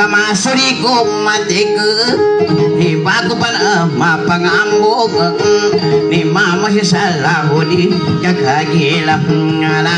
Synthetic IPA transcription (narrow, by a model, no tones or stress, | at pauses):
amasuɾikomat̪ikə | nibakupanəmapaŋambofəʔnimamas̬isalaɦuni | ɲaɡaɡi | la | ŋala